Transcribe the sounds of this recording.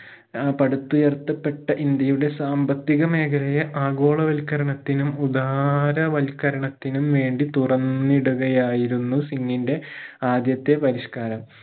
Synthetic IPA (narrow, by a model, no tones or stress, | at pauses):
pɐɽut̪ːujert̪ːɐpːe̞ʈːɐʔind̪jɐjuɽe̞saːmbɐt̪ːiɣɐme̞ːkʰɐlɐjɐʔaːɡo̞ːɭɐʋɐlkːɐɾɐɳɐt̪ːinumud̪aːɾɐʋɐlkɐɾɐɳɐt̪ːinumʋe̞ːɳɖit̪urɐnːiɽuɣɐjaːjiɾunːusiŋːinde̞aːd̪jɐt̪ːe̞pɐɾiʂkaːɾɐm